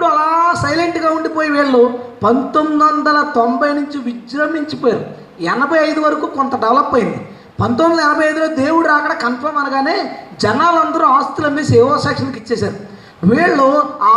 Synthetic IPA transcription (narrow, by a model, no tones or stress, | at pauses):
pːuɽuɐlaːsɐjleɳʈɡaːuɳɖipoːjiʋiːɭːupɐnt̪onid̪ʋɐnd̪ɐlɐt̪ombɐjnuɲt͡ʃiʋid͡ʒɾɐmiɲt͡ʃipoːjaːɾu | ɛnɐbʱɐjɐjd̪uʋɐɾɐkuːkɔnt̪ɐɖɛʋlɐpːɐjind̪i | pɐnt̪ond̪ɐlɐɛnɐbʱɐjɐjd̪uloːd̪e̞ːwuɽuɾaːkɐɽɐkɐnpʰɐɾmɐnɐɡaːne̞ːd͡ʒɛnaːlɐnd̪ɐɾuaːst̪ulɐmiːseːʋoːsaːkʂɐnikit͡ʃːɛːsaːɾu | ʋiːɭːuaː